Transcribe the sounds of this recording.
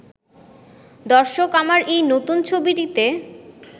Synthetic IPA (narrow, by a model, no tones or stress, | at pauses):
d̪ɔɾʃokamaɾʔejnot̪unt͡ɕʰobiʈit̪e